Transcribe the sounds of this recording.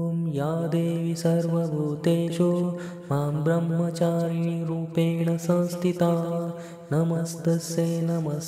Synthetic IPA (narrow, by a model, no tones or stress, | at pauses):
mjaːd̪eːʋisɐɾʋɐbʱuːt̪eːt͡ʃu | maːmbɾɐmːɐt͡ʃaːɾniɾuːpeːɳɐsɐ̃nst̪ʰit̪aː | nɐmɐsd̪ɐseːnɐmɐs